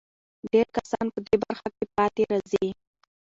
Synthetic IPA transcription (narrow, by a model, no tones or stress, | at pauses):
ɖeɾkasɑ̰npəd̪ebaɾxakepɑt̪eɾɑzi